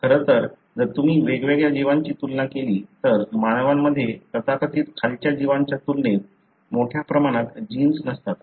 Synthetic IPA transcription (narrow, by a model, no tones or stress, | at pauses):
kʰəɾət̪əɾ | d͡zəɾt̪umiːʋeɡʋeɡjad͡ʑiʋaɲt͡ɕiːt̪ulnakeliːt̪əɾmañəʋamːəd̪ʱːjet̪ət̪akət̪iːt̪kʰalt͡ɕjad͡ʑiʋaɲt͡ɕjat̪ulnet̪ | moʈʰjapɾəmaɽ̃at̪d͡ʑinsnəst̪at̪